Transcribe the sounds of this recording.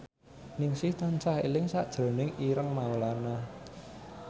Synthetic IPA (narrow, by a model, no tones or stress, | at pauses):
nɪŋsɪht̪aɲt͡ʃahelɪŋsaʔd̥ʒ̥ɾo̤nɪŋʔiɾəŋmawəlana